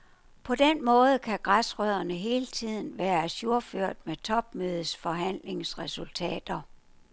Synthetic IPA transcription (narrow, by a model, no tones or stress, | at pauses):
pʰɒ̽d̥enmɔ̽ːð̩ˠkʰæɡ̥ʁasʁœð̰ˠɐnəɦe̝ːlət͡sʰið̞̰ˠn̩ʋæːɐsjo̝ɐføɐ̰d̥̚met͡sʰɒ̽b̥̚møːð̞̩ˠsfɒ̽ɦæn̰le̝ŋsʁɛsult͡sʰɛ̰ːd̥ɐ